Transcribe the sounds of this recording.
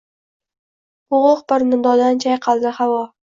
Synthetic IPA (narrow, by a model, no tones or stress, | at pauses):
hʊʁʊqbɪɾnɪd̪ɒd̪ant͡ʃʰajqʰɑlˠd̪ɪhavɒ